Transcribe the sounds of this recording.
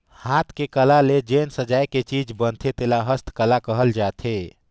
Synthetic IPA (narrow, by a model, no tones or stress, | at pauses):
hat̪ʰkekəlaled͡ʒensəd͡ʒajket͡ʃid͡ʒbənt̪ʰet̪elaɦəst̪kəlakəɦəld͡ʒat̪ʰe